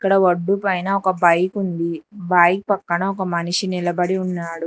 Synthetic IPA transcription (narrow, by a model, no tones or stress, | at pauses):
iikːɐɽɐʋɐɖːupɐjnɐɔkɐbɐjkund̪ibɐjk̚pɐkːɐɳɐɔkɐmɐniʂinilɐbɐɽiunːaːɽu